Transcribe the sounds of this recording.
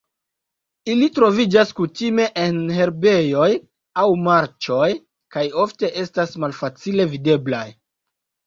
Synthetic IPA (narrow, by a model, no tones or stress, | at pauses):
ilitɾo̞vid͡ʒaskutime̞ʔenɦe̞ɾbe̞jo̞j | awmaɾt͡ʃo̞j | kajo̞fte̞ʔe̞stasmalfat͡sile̞vide̞blaj